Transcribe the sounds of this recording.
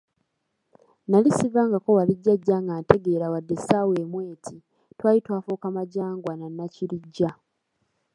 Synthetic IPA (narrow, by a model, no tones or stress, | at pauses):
nalisivaŋɡako̞waliɟːaɟːaːŋɡaːnte̞ɡe̞ːɾawadːe̞sawe̞ːmwe̞ːtʰi | twaːjitwaːfoːkamaɟaːŋɡwananːaciliɟːa